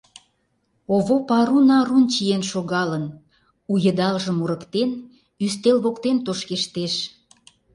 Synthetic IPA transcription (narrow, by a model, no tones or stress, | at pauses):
oβopɑɾunɑɾunt͡ɕijenʃoɣɑlən | ujə̆d̪ɑlʒəmuɾəkt̪en | yst̪elβokt̪ent̪oʃkeʃt̪eʃ